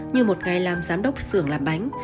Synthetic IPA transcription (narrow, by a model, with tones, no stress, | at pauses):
ɲɨ˧mo˨˩t̚ŋa˨˩jlaː˨˩mzaː˨˦mɗə˦˥wk͡p̚sɨ˧˩əŋlaː˨˩mɓa˨˦jŋ̟